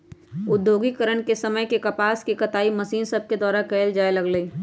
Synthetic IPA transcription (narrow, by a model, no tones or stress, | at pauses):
ʊd̪ːjoːɡikəɾəɳkesɐməjkekɐpaːskikɐt̪aːimɐsiːnsɐb̚ʱked̪ɔːɾakɛːld͡ʒaːelɐɡləiː